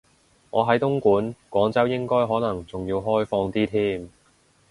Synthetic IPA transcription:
ŋɔː˨˧ɦɐ˨˥jt̪ʊ˥ŋkuː˨˥nkʷwɔː˨˥ŋt͡sɐ˥wjɪ˥ŋkɔː˥jɦɔː˨˥nɐ˨˩ŋt͡sʊ˨ŋjiː˧wɦɔː˥jfɔː˧ŋt̪iː˥t̪ʰiː˥m

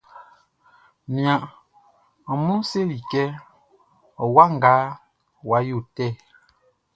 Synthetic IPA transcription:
mja˨ʔ | mu˦se˦li˨kɛ˦ | ɔ˨wa˦ŋ̩˨ɡa˨˦ | wa˨˦ju˦˨tɛ˦˨

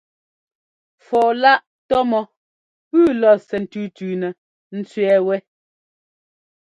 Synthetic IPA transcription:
fɔː˨la˦ʔ | tɔ˦mɔ˦ | pʉː˦˨lɔ˨sɛ˨n̩˨tʉ˦˨tʉː˨nɛ˨ | n̩˦t͡sɥɛ˨wɛ˦

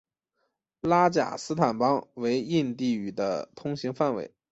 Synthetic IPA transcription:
la˥t͡ɕja̰˨˩sɹ̩˥t̪ʰa˨˩npɑ˥ŋwe˧˥ɪi˥˧nt̪i˥˩y˨˩d̪ə̰˦t̪ʰʊ˥ŋɕi˧˥ŋfa˥˩nwḛ˧˥ɪ

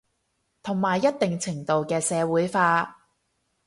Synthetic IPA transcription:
t̪ʰʊ˨˩ŋmaː˨˩jːɐ˥t̚t̪ɪ˨ŋt͡sʰɪ˨˩ŋt̪o˨wkɛː˧sɛː˨˧wuː˨˥jfaː˧

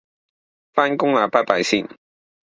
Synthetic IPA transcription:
faː˥nkʊ˥ŋlaː˨˩paː˥paː˨˧jsiː˥n

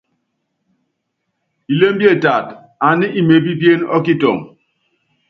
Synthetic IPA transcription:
i˨le˦m̩˦bje˦˨ta˨t | a˨ni˦ʔi˨me˨p̬i˦pje˦nɔ̰˦ki˦tɔ̰˨ŋ

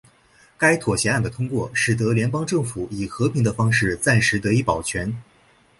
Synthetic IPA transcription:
ka˥ɪt̪ʰwɔ˨˩ɕjɛ˧˥a˥˩nd̪ə˩t̪ʰʊ˥ŋkwɔ˥˩ʂɻ̩˨˩t̪̬ɤ˧˥ljɛ˧˥npɑ˥ŋʈ͡ʂɤ˥˩ŋfu˨˩˦i˨˩xɤ˧˥pʰi˧˥ŋd̪ə˧fɑ˥ŋʂɻ̩˥˩t͡sa˥˩nʂɻ̩˧˥t̪ɤ˧˥i˧˥pɑ˨˩ʊt͡ɕʰɥɛ˧˥n

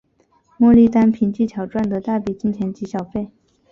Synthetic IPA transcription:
mwɔ˥˧li˥˧t̪a˥npʰi˧˥nt͡ɕi˥˩t̪ʰjɑ˨˩ʊʈ͡ʂwa˥˩nd̪ə˩t̪a˥˩pi˨˩t͡ɕi˥˩nt͡ɕʰjɛ˧˥nt͡ɕi˧˥ɕjɑ˨˩ʊfe˥˩ɪ

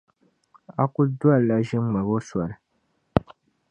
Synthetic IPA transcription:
a˦ku˦du˦a˦˨la˦ʒɪ˦m˦ma˨bo˦sa˨ɾɨ˨

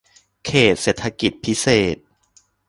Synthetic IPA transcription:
kʰeː˨˩t̪̚seː˨˩t̪ʰːa˧ki˨˩t̪̚pʰi˦˥seː˨˩t̪̚

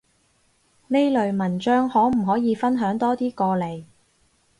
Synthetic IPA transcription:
ne˥jlɵ˨ɥmɐ˨˩nt͡ʃœː˥ŋhɔː˨˥m̩˨˩ɦɔː˨˥jiː˨˧fɐ˥nɦœː˨˥ŋt̪ɔː˥t̪iː˥kɔː˧le˨˩j

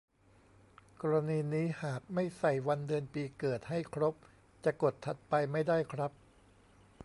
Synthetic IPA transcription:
kɔː˧ɾa˧niː˧niː˦˥haː˨˩k̚ma˥˩jsa˨˩jwa˧ndɯ˧ənpiː˧kɤː˨˩t̪̚ha˥˩jkʰɾo˦˥p̚ | t͡ɕa˨˩ko˨˩t̪ʰːa˨˩t̪̚pa˧jma˥˩jda˥˩jkʰɾa˦˥p̚

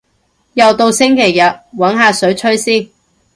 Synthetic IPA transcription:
jɐ˨wt̪o˧wsɪ˥ŋkʰe˨˩jːɐ˨t̚wɐ˨˥nɦaː˨˧sɵ˨˥ɥt͡ʃʰɵ˥ɥsiː˥˩n

